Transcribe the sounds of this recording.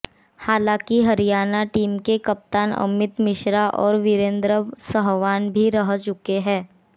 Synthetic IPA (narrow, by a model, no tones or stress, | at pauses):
haːlãːkiɦɐɾijaːnaʈiːmkekɐp̚t̪aːnɐ̰mɪt̪mɪʃɾaʔɔːɾʋɪɾẽːnd̪ɾəsəɦʋaːnbʱiɾɐɦt͡ʃʊkeɦɛ̃ː